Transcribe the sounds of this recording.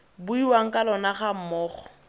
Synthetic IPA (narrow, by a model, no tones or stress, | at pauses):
buiwaŋ̩kʼalɔnaχam̩mɔːχɔ